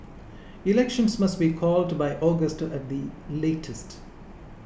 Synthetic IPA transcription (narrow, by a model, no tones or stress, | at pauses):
ɪlɛkʃə̃nsmʌsʈbiːkʰɔːlɖbaɪʔɔːɡəsʈæʈ̚d̪ileːʈʰəsʈ